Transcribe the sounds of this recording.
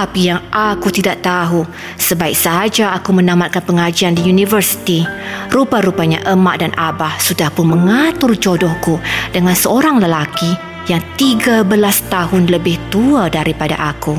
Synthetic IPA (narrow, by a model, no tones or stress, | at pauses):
t̪apijaŋʔakut̪idaʔ̚t̪aɦu | səbaɪk̚saɦad͡ʒaːkumənamat̪̚kanpəŋad͡ʒiandijunivərsi̥t̪irupaɾupaɲa̰ʔəma̰ʔdanʔabahsudahpʊnməŋat̪ʊrd͡ʒodɔhkudəŋansəoɾaŋləlaki | jaŋt̪iɡabəlast̪aɦʊnləbɪht̪uadaɾipada̰ʔaku